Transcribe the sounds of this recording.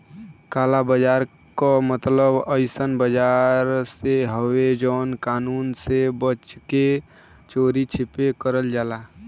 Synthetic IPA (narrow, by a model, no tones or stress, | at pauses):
kalabəd͡ʒaɾ | kɔmət̪ləbəɪsənbəd͡ʒaɾseɦəwed͡ʒəːnkanuːnsebət͡ʃke | t͡ʃoɾit͡ʃʰipekəɾəld͡ʒala